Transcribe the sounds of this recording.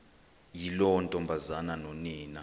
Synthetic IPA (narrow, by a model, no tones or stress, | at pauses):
jilɔntʼɔmbʱazananɔniːna